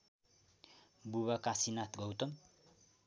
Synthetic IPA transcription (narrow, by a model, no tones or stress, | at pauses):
buβakasinat̪ɡʌwt̪ʌm